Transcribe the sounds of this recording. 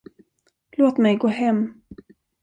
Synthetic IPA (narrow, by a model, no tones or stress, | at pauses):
loːt̪mɛjɡoːɦɛmː